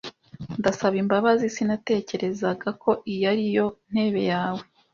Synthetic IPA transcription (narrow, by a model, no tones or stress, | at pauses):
ndasaβimbaβazisinate̞ːce̞ɾe̞zaɡakʰo̞ʔijaɾijo̞n̥he̞ːβe̞̰jaːwe̞